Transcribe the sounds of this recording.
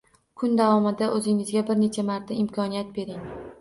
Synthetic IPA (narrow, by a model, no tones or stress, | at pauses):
kʰʊnd̪avɒmɪd̪aʔɵzɪŋɪzɡʲabɪɾne̞t͡ʃʰamaɾt̪ʰaɪmkʰɒnijat̪̚be̞ɾɪŋ